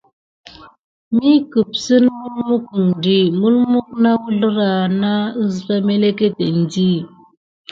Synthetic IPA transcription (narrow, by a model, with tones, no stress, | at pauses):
mi˦kə˨p̚sə˦nmu˦lmu˦kŋ˨di˦˨mu˦lmu˦k̚na˦wu˦ɮə˦ɾa˨na˦ə˦zla˦me˦le˦ke˦te˨n˦di˦